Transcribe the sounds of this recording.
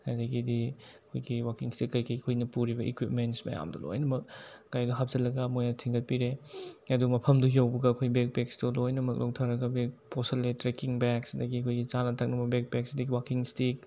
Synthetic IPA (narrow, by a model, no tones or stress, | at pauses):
hajdɐɡidiɐkʰojɡiwakiŋstikːɐjkɐjkʰojnɐpuɾibɐʔḭkwipmentsmɐ̰ja̰mdṵlo̰jnɐmɐk̚ːajduɦap̚z̥ɐlɐɡɐmojnɐtʰiŋɡɐt̚piɾeɐdumɐpʰɐmduɦiawbɐɡɐːkʰojɡbek̚peksdulojnɐmɐk̚lʔo̰ktʰaɾɐɡɐbekpʰosɐletɾekiŋbeksidɐɡiɐkʰojɡit͡ʃanɐtʰak̚nɐbɐbek̚bek̚sidɐɡiwakiŋstik̚